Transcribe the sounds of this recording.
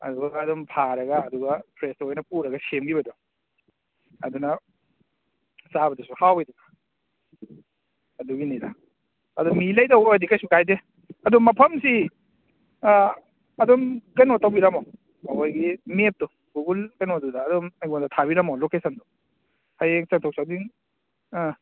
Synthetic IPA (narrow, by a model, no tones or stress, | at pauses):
ɐ̰duɡaːdumpʰaɾɐɡɐːduɡɐpʰɾestojnɐpuɾɐɡɐsemɡibɐdu | ɐ̰dunɐ | sabɐdusuhawejduɡa | ɐduɡiniɾa | ɐdumilɐjtɐwɐdikɐjsukajde | ɐdumɐpʰɐmsi | ɐdumkɐjnotawbiɾɐmo | mɐkojɡimep̚tu | ɡuɡulkɐjnodudaːdumɐjɡoŋdɐtʰaβiɾɐmowlokesɐndu | hajeŋsaŋtʰok̚sadiŋ